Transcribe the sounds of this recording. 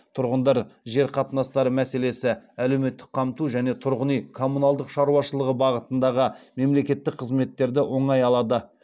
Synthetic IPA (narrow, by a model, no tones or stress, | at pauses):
t̪ʰʊɾʁənd̪ɑɾʒe̞ɾqʰɑt̪ənɑst̪ɑɾəmæse̞le̞sɪæle̞wme̞t̪ːɪ̥k̚qʰɑmt̪uʒæne̞t̪ʰʊɾʁənijkʰo̞munɑlˠd̪əqʃɑɾuɑʃəlˠəʁəbɑʁət̪ənd̪ɑʁəme̞mle̞kʲe̞t̪ːɪk̚qʰəzme̞t̪ːe̞ɾd̪ɪwo̞ɴɑjɑlˠɑd̪ə